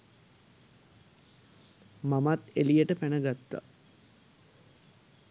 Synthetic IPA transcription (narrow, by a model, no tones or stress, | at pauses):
mamat̪elijəʈəpænəɡat̪ːa̰